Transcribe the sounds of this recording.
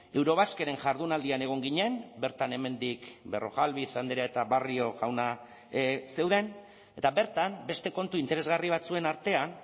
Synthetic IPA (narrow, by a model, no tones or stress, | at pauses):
e̞wɾo̞βaske̞ɾe̞ŋʝaɾðunald̪iane̞ɣ̞o̞ŋɡiɲe̞nbe̞ɾt̪ane̞me̞nd̪ikbe̞ro̞̰ɣalβiθand̪eɾaet̪aβario̞ʝawna | se̞wðe̞n | e̞t̪aβe̞ɾt̪ambe̞st̪e̞ko̞nt̪uint̪e̞ɾezɣariβ̞at͡sue̞naɾt̪e̞an